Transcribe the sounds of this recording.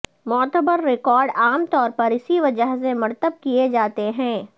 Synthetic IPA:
mɔːt̪əbəɾːɪkɔːɾɖaːmt̪ɔːɾpɐɾɪsiʋɐd͡ʒəɦsẽmɐɾt̪əb̚kied͡ʒaːt̪eɦɛ̃ː

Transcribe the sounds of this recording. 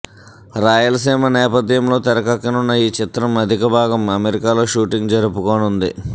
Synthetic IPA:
ɾaːjɐlɐsiːmɐnɛːpɐd̪jɐmlo̞ːt̪ɛɾɐkɐkːɐnunːɐiːt͡ʃɪt̪ɾɐmɐd̪ʱikɐbʱaːɡɐmɐmeɾikaːlo̞ːʃuːʈiŋɡd͡ʒɐɾupukoːnund̪ḭ

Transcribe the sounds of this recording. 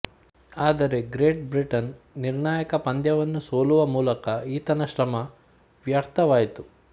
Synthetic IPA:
aːd̪ɐɾe̞ɡɾeːʈ̚bɾiʈɐnː | iɾɳaːjɐkɐpɐnd̪jɐʋɐnːusoːluʋɐmuːlɐkɐiːt̪ɐnɐʃɾɐmɐ | ʋjɐɾt̪ʰɐʋaːjit̪u

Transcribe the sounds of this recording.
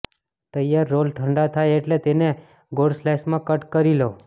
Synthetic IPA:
t̪əjːaɾːolʈʰəɳɖat̪ʰajeʈlet̪ene | ɡoɽslɛʃmãkəʈkəɾilo

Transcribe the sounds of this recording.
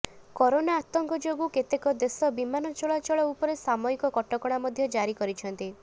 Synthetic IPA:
kɔɾonaːt̪ɔŋkɔd͡ʒoɡuket̪ekɔd̪esɔbimanɔt͡ʃɔɭat͡ʃɔɭɔupɔɾesamɔikɔkɔʈɔkɔɽ̃amɔd̪ʱjɔd͡ʒaɾikɔɾit͡ʃʰɔnt̪i

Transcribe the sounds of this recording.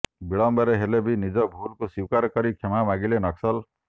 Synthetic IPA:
biɭɔmbɔɾeɦelebʱinid͡ʒɔbʱulkusiwkaɾkɔɾikʰemamaɡilenʌksɔl

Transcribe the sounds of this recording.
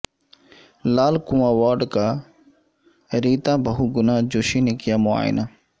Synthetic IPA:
laːlkuːãːʋaːɖkaː | ɾiːt̪ãːbəɦuːɡʊnãːd͡ʒoːʃiːneːkɪjaːmʊa̰ːj̰nʔaː

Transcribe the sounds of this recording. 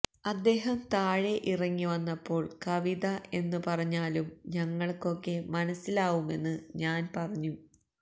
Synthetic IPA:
ɐd̪ːe̞ːɦɐmt̪aːɻeʔirɐŋːiʋɐnːɐpːo̞ːɭkɐʋiðɐʔe̞nːɨpɐrɐɲːaːlumɲɐŋːɐɭko̞kːe̞mɐnɐsːilaːʋume̞nːɨɲaːnpɐrɐɲːu

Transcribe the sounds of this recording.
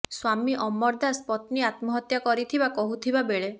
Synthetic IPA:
swamiʔɔmːɔɾd̪aspɔt̪niat̪mɔɦɔt̪jakɔɾit̪ʰibakɔɦut̪ʰibabeɭe

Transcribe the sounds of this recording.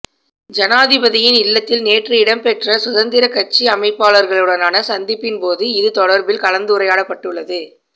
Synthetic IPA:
d͡ʒɐnaːðɪbɐðɪjɪnɪlːɐt̪ːɪlneːʈrɯɪɽɐmpɛʈrɐsʊðɐnd̪ɪɾɐkɐt͡ʃːiɐmɐɪpːaːɭɐɾɣɐɭɯɽɐnaːnɐsɐnd̪ɪpːɪnpoːðɯɪðɯt̪ɔɽɐɾbɪlkɐlɐnd̪ɯʊɾɐjaːɽɐpːɐʈːɯɭːɐðɯ

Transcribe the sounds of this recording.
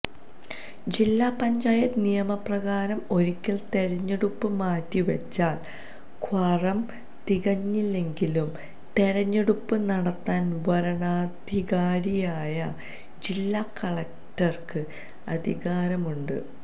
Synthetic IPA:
d͡ʑilːaːpɐɲd͡ʑaːjɐt̪nijɐmɐprɐɣaːɾɐmo̞ɾikʲːɐlt̪e̞ɻɐɲːeɽupːɨmaːtːiʋɐt͡ɕːaːl | kʰwɐrɐm | t̪iɣɐɲːilːe̞ŋɡilum | t̪e̞ɻɐɲːeɽupːɨnɐɽɐt̪ːaːnʋɐɾɐɳaːd̪ʱiɣaːɾijaːjɐ | d͡ʑilːaːkɐɭɐk̚ | tɐrkɨ | ɐ̰d̪ʱiɣaːɾɐmuɳɖɨ̰

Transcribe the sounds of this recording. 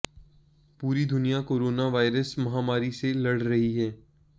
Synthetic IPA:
puːɾid̪ʱʊnijakoːɾoːnaʋaːɪɾəsmɐɦaːmaːɾiselɐɽ̤ɾɐɦiɦɛː

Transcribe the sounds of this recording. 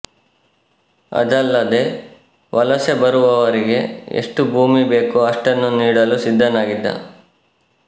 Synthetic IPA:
ɐ̰d̪ɐlːɐd̪e̞ | ʋɐlɐsebɐɾuʋɐʋɐɾiɡe̞ḛʂʈubʱuːmibe̞ːkuɐʂʈɐnːuniːɽɐlusid̪ʱːɐnaːɡid̪ːɐ̰

